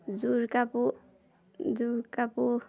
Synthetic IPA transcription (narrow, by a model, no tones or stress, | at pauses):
d͡ʒuɾkapu | d͡zuɾkapu